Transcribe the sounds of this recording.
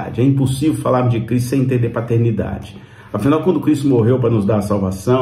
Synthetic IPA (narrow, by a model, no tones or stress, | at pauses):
a̰d͡ʒɪɛĩposivewfalaɾmʊzd͡ʒɪkɾis̬t̪ʊsẽj̃ẽt̪ẽnd̪epat̪eɾnid̪a̰d͡ʒɪ | afinawkwɐ̃nd̪ʊkɾist̪ʊmoɦewpɾɐnʊzd̪aɾɐsawvasɐ̃